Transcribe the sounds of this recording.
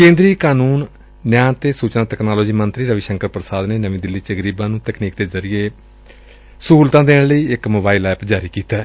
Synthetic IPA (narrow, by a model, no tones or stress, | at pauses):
kẽːnd̪ɾiːkaːnuːnː | jaːnt̪eːsuːt͡ʃnãːt̪ɛknaːloːd͡ʒiːmənt̪ɾiːɾəʋiʃəŋkəɾpɾəsaːd̪neːnəʋĩːd̪ɪlːiːt͡ʃəɡəɾiːbãːnũːt̪ɛkniːk̚d̪eːzəɾɪjeː | suːlt̪ãːd̪ẽːləiːɪkmoːbaːilɛːpd͡ʒaːɾiːkiːt̪aː